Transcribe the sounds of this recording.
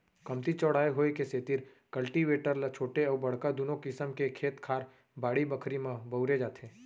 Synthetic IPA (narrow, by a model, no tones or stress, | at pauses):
kɐmt̪it͡ʃɔːɽ̤aːeɦoːekeset̪ɪɾ | kɐlʈiʋeːʈəɾlat͡ʃʰoːʈeɔːbɐɽ̤kad̪onõkɪsəmkekʰeːt̪kʰaːɾ | baːɽibəkʰɾimãbɐʊɾed͡ʒaːt̪ʰeː